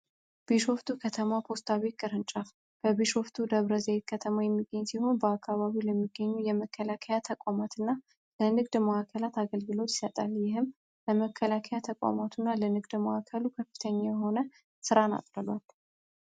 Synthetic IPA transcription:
b̥iʃo̞ft̪ʰukʰət̪ʰəmapʰo̞st̪ʰaβet̪̚kʼɨɾɨnt͡ʃʼaf | b̥əβiʃo̞ft̪ʰud̪əβɾəzəjet̪̚kʰət̪ʰəmajɛmːiɡːəɲːsiho̞nbəakːaβaβilɛmːiɡːəɲːujɛməkʰːəlakʰəjat̪ʰəkʷʼamat̪ʰɨnːa | lənɨɡd̪məakʰːəlat̪aɡəlɡɨlo̞t̪jɪsət̪ʼaljɪhɨm | ləməkʰːəlakʰəjat̪ʰəkʼa̰mat̪ʰunːalənɨɡd̪məakʰːəlukʰəfːɨ̥t̪ʰəɲːajɛho̞nə | sɨɾana̰t̪ʼɾəlwalː

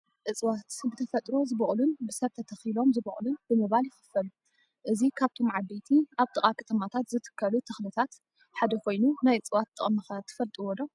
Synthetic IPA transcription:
ʔɨt͡sʼwat̪bɨt̪ʰɐfɐt̪ʼɾo̞zɨβɨʔʼlunbɨsɐβt̪ʰɐt̪ʰɐxilo̞mzɨβɨʔʼlunbɨmɨβaljɪxɨ̥fɐlu | ʔɨzikʰaβt̪ʰo̞mʕad̪et̪ʰiʔaβt̪ʼɨχʼakʰɐ̥t̪ʰɐmat̪ʰat̪zɨt̪ʰɨ̥kʰːɐlut̪ʰɐxlɨt̪ʰat̪ | ħad̪ɐkʰo̞jnunajɨt͡sʼwat̪ʰʼːɨχʼɐmɐxat̪ʰːɐ̥fɐlt̪ʼiwɔd̪o

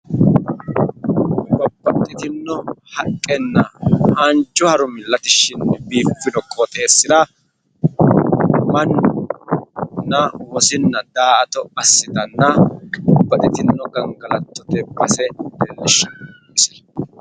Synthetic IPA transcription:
bɔbːɐt̪ʼːɪt̪ɪnːɔhɐkʼːɛnːɐhant͡ʃʼːʊhɐɾʊmɪlːɐt̪ɪʃɪnbiːfːɪd̪ɔkʼːɔt̪ʼe̞ːsːɪd̪ɐ | mɐn | nːɐwɔsɪnːɐd̪aːʔɐt̪ɔɐsːɪd̪ɐnːɐbɔbːɐt̪ʼɪt̪ɪnːɔɡɐŋɡɐlɐt̪ːɔt̪ɛbːɐsɛd̪ɛlːɪʃɐnː | sɛ̥

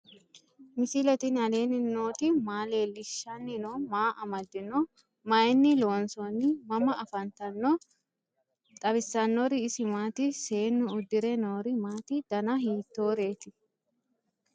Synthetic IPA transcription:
mɪsɪlɛt̪ɪnhɐle̞ːnɪno̞ːt̪ɪmaːle̞ːlɪʃːɐnːɪnoːmaːʔɐmɐd̪ːɪnɔ | mɐjnːɪlo̞ːnsonːɪmɐmɐʔɐfɐnt̪ɐnːɔ | t̪ʼɐbɪsːɐnːɔɾɪːsɪmaːt̪ɪse̞ːnːʊʊd̪ːɪɾɛnoːɾɪmaːt̪ɪd̪̥ɐnɐɦiːt̪ːo̞ːɾe̞ːt̪ɪ

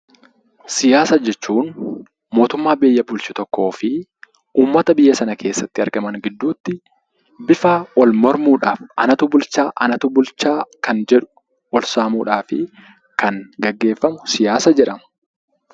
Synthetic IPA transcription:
sɪjaːsɐd͡ʒɛt͡ʃːuːn | moːt̪ʊmːaːbeːjːɐbʊlt͡ʃɪt̪ɔkːo̞ːfɪ | uːmːɐt̪ɐbɪjːɐsɐnɐkʰe̞ːsːɐt̪ːɪɐɾɡɐmɐŋɡɪd̪ːuːt̪ːɪ | bɪfɐʔɔlmɔɾmuːᶑaːfɐ̰nɐt̪ubʊlt͡ʃaːʔɐnɐt̪ubʊlt͡ʃaːkɐnd͡ʒɛᶑʊ̥ | ʔɔlsaːmuːᶑaːfɪ̰ | kɐŋɡɐɡːe̞ːfːɐmʊsɪjaːsɐd͡ʒɛᶑɐmɐ̥

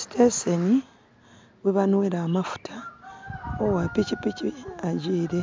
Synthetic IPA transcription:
si̥tʰeseni | weβanweɾaːmafu̥tʰa | owapicipiciaɟiːɾe̞

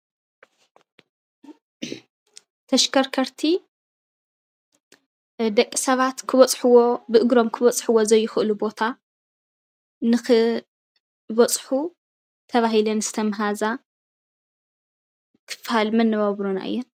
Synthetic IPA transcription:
t̪ʰɐʃkʰɐɾkʰɐɾt̪ʰi | d̪ɐkʼːi̥sɐβat̪kʰɨβɐt͡sʼħuwobɨʔɨɡɾo̞mkʰɨβɐt͡sʼħɨwo̞zɐjːɪxʔɨlubo̞t̪ʰa | nɨxɨ | βɐt͡sʼħu | t̪ʰɐβaɦilɐnz̥ɨ̥t̪ʰɐmɦaza | kʰɨ̥fhalmɐnːɐβaβɾuna̰ʔɨ̰jːɛn

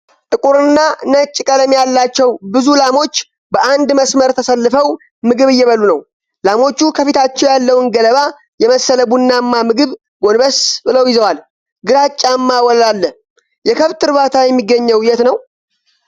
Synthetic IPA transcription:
t̪ʼɨkʼuɾɨnːanət͡ʃʼːkʼələmjalːat͡ʃːɛwbɨzulamo̞t͡ʃː | bəʔand̪məsməɾt̪ʰəsəlːɨfəw | mɨɡɨβɨjːɛβəlːunəw | lamo̞t͡ʃːukʰəfit̪ʰat͡ʃːɛwjalːəwnɡələβa | jɛməsːələbunːamːamɨɡɨβ | ɡo̞nbəsbɨləwjɪzəwal | ɡɨɾat͡ʃʼːamːawɔllalːə | jɛkʰəβt̪ʰɨɾβat̪ʰajɛmːiɡːəɲːɛwjɛt̪nəw

